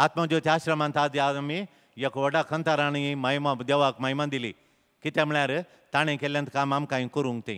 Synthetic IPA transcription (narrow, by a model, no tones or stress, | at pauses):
at̪məd͡ʒot̪aɕɾɐmãnt̪ʰad̪iami | jekʰʋɐɖakʰənt̪aɾañimajmad̪eʋakmajmãnd̪ilḭː | kit̪emɭjaɾ | t̪aɽ̃ẽkeljãnt̪ʰkamamkãĩkəɾũŋɡt̪ḛ̃